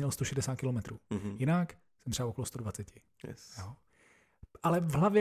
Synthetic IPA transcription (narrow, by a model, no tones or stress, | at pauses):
ɲɛlst̪oʃɛdɛsaːt̪kɪlomɛt̪ɾuːjɪnak | sɛmt̪r̥ɛbaokolost̪odvat͡sɛcɪ | ɛ̰joː | ʔalɛvɦlavjɛ